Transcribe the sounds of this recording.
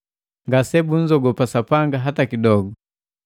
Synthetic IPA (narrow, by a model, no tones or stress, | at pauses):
ŋɡasɛbun̩d͡ʒɔɡɔpasapaŋɡaɦatakidɔɡɔ